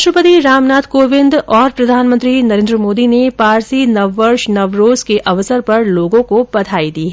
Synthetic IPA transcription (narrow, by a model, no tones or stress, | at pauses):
ʃɾəpət̪iɾaːmnaːt̪ʰkoːʋɪ̃nd̪ɔːɾpɾɐd̪ʱaːnmə̃nt̪ɾinɐɾẽːnd̪ɾəmoːd̪inepaːɾsinɐʋːəɾʃnɐʋɾoːzkeʔɐʋsəɾpɐɾloːɡõkobɐt̪ʰaːid̪iːɦ